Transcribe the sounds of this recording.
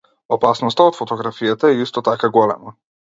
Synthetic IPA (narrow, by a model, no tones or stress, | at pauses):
opasnɔst̪aot̪fot̪ɔɡɾafijat̪aɛist̪ɔt̪akaɡɔlɛ̰ma